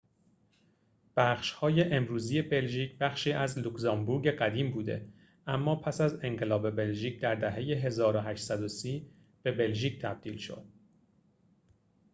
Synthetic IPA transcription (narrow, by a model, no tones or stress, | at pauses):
b̥æːχʃhɒːje̞ʔemɾuːzije̞be̞lʒiːcʰbæχʃiːʔæzlukzɒmbuɾɟe̞ɢæd̪iːmbuːd̪e̞̰ | ʔæmːɒːpʰæsæze̞ŋɢe̞lɒːbe̞be̞lʒiːc̚ʰd̪æɾd̪æɦe̞je̞ɦe̞zɒːɾoɦæʃt̪sæd̪osiː | b̥e̞be̞lʒiːc̚ʰt̪ʰæb̥̚d̪̥iːlʃo̞̰d̪̥̚